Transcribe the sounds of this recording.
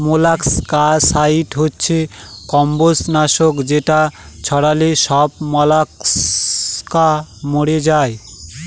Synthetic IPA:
molakskasaiʈɦotːɕʰekɔmbosnaʃokd͡ʑeʈat͡ɕʰɔɽaleʃɔb̚mɔlaks | kamoɽed͡ʑae

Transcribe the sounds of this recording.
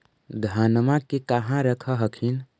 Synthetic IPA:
d̪ʱanmakekaɦãɾəkʰəɦəkʰin

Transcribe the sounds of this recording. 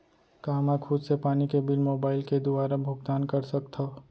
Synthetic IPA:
kaːɦmɛkʰʊd̪sepaːnikebɪlmoːbaːɪlked̪ʊaːɾabʱʊɡt̪aːnkɐɾsɐkt̪ʰa

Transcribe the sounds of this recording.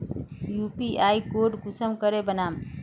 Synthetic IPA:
juːpiʔaːikoːɾɖɡʊsəmkəɾebənaːm

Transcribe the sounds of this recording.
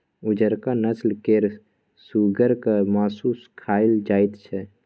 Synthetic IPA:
ʊd͡ʒəɾkanəslkeɾ | suːɡəɾkamaːsuːskʰaːɪld͡ʒaːɪt̪t͡ʃʰɛ

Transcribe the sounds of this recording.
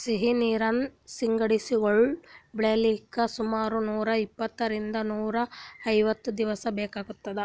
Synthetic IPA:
siɦiniːɾɐnsiŋɡɐɽisioɭbɭeliːkːɐsumaːɾunuːɾɐipːɐt̪ːɐɾind̪ɐnuːɾɐɐjʋɐt̪ːud̪iʋɐsɐbɛːkaːɡut̪ːɐd̪e

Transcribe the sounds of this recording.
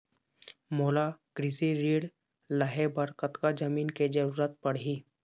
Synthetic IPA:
moːlaɡ̥ɾɪsiɾiːɽ | ləɦebəɾkət̪kad͡ʒəmiːnked͡ʒəɾuːɾət̪̚pɐɽɦiː

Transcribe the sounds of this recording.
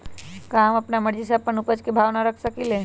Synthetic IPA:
kaːmɐpnamɐɽd͡ʒis̬ɐpːənʊpəd͡ʒkebʱaːʋnaɾɐkʰsɐkileː

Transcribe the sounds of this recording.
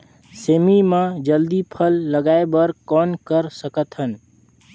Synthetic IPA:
seːmimãd͡ʒəld̪ipʰəlːəɡaːebəɾkɔːnkəɾsəkət̪ɦən

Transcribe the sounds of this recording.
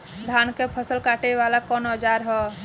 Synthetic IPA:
d̪ʱankepʰəsəlkaʈeʋalakɔnoəd͡ʒaɾɦɛ

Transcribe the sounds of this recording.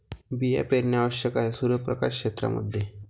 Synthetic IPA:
bija̰peɾnjaʋəɕjəkaɦesuɾʋəpɾəkaʂkʂet̪ɾa̰mʔə̰d̪ʱːje

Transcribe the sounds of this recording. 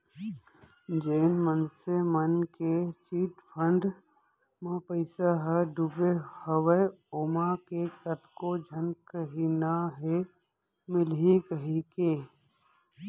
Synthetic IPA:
d͡ʒeːnmənsemənket͡ʃiːʈpʰə̃ɳɖ | mãpəɪsaɦɛɖubehəwəjoːmakekət̪ʰkod͡ʒʱənkəɦinaɦe | mɪlɦikəɦikeː

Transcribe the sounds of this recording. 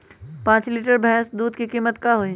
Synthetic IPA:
pãːt͡ʃliːʈəɾbʱɛɦsd̪uːd̪kikiːmət̪kaɦoi

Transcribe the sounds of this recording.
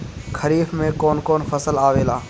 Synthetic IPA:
kʰəɾiːfmẽːkoːnkoːnfəsəlaːʋeːlaː

